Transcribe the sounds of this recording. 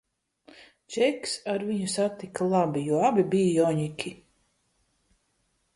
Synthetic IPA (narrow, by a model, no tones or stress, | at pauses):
t͡ʃɛksaɾviɲusat̪ːikalˠabijuɔabibijajɔɲikʲʰi